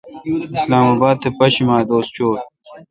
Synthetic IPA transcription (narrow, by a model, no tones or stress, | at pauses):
islaːmaːbaːd̪̚t̪ʰepɐɕimaːd̪oːst͡ɕoːɾ